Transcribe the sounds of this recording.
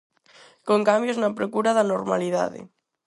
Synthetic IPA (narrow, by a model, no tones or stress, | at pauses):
koŋkambjoznapɾokuɾaðanoɾmaliða̰ðḛ